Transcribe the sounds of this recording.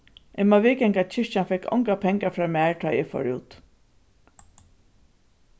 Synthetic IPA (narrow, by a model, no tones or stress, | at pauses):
ʔɛmaʋɪːkɛŋkat͡ɕɪʂt͡ʃanfɛkɔ̰ŋkapʰɛŋkafɹaːmæːɹt̪ʰaːɛfɔ̰ɹṵːt̪